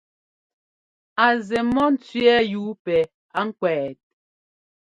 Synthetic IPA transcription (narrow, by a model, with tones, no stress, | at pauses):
a˨zɛ˨mɔ˦n̩˦t͡sɥɛ˦juː˨˦pɛ˨ | a˨˦ŋ̩˦kwɛː˨t̚